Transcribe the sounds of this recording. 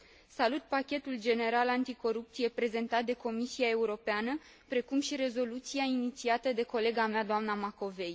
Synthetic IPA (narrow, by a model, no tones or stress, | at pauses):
salut̪pakʲe̞t̪uld͡ʒe̞ne̞ɾalant̪iko̞ɾup̚t̪sije̞pɾe̞ze̞nt̪at̪̚d̪e̞ko̞misiae̞uɾo̞peanə | pɾe̞kumʃiɾe̞zo̞lut̪siainit̪siat̪əd̪e̞ko̞le̞ɡamead̪oamnamako̞ve̞j